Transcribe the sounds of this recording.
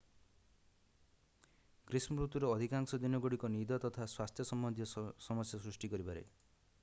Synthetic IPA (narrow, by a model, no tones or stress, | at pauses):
kɾisnɔɾut̪ːuɾɔːd̪ʱikaŋsɔd̪inɔɡoɽikɔnid̪ɔt̪ɔt̪ʰaswast̪ʰjɔsɔmbɔnd̪ʱijɔsɔmɔsjasɾusʈikɔɾipaɾḛ